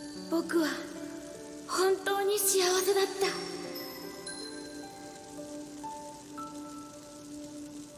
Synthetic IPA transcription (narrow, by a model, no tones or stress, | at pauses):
b̥o̞kɯ̟βa | hõ̞nt̪o̞ːɲ̟iɕijaβase̞d̪at̪ːa